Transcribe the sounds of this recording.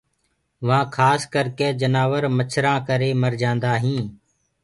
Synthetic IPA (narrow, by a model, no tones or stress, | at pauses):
ʋãːkʰaːskəɾkeːd͡ʒənaːʋəɾmət͡ʃʰɾãːkəɾeːməɾd͡ʒãːnd̪aːɦĩː